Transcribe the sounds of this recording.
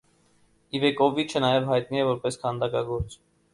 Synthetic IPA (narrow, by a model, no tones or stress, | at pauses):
ivɛkɔvit͡ʃʰənɑjɛvɦɑjt̪niɛvɔɾpɛskʰɑnd̪ɑkɑɡɔɾt͡s